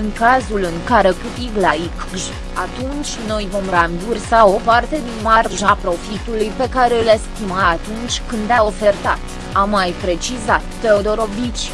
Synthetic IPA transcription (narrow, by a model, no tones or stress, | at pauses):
ɨŋkazulɨŋkaɾe̞kɨt̪iɡlaik | ʒ | at̪unt͡ʃʲno̞jvo̞mrambursao̞part̪e̞d̪inmarʒapɾo̞fit̪ulujpe̞kaɾe̞ɨlest̪imaːt̪unt͡ʃʲkɨnd̪ao̞fe̞rt̪at̪ | amːajpɾe̞t͡ʃizat̪ːeod̪o̞ɾo̞bit͡ʃʲ